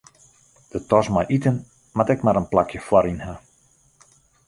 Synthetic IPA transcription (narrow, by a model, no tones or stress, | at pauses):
d̥ətɔsmajʔitən | matɛkmaɾənplakjəfwɔɾinha